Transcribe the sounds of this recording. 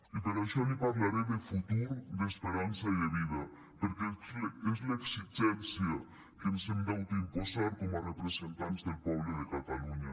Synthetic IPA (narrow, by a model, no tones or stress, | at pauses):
ipeɾaʃɔlipaɾlaɾeðefut̪uɾd̪espeɾansaieβiða | peɾkeezlaeksit̪ɛnsja | kemsembɾawt̪eimpozaɾkɔmarepɾesent̪anzðelpɔβleðekat̪aluɲa